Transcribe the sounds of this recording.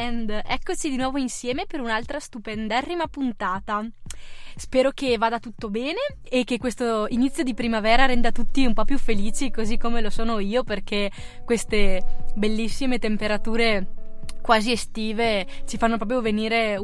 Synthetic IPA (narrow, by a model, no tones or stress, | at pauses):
ɛnd̪ɛkːot͡ʃid̪inwɔːvoinsjɛːmepeɾunalt̪ɾast̪upɛnd̪aɛrːimapunt̪aːt̪a | spɛːɾok̟evaːd̪at̪ut̪ːobɛːneː | kːekːwest̪oinit̪sːjod̪ipɾimavɛːɾaɾɛnd̪at̪ut̪ːiumpɔpːjufːeliːt͡ʃikozikːomelosoːnoiːoperk̟e | kːwest̪ebelːisːimet̪empeɾat̪uːɾekwaːziest̪iːvet͡ʃifanːop̬ɾɔːp̬ɾjoveniːɾe